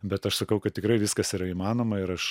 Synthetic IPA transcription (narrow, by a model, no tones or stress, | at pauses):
bʲɛt̪ɐʃsɐkɐʊkɐt̪tʲɪkɾɐɪʋʲɪskɐsiːɾɐimɑːnoːmɐɪɾɐʃ